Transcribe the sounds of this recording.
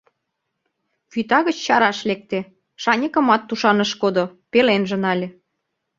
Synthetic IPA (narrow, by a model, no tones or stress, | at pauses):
fyt̪ɑɣə̆t͡ɕt͡ɕɑɾɑʃlek̚t̪ĕ | ʃɑnʲəkə̆mɑt̪ːuʃɑnə̆ʃkod̪opelenʒə̆nɑlʲĕ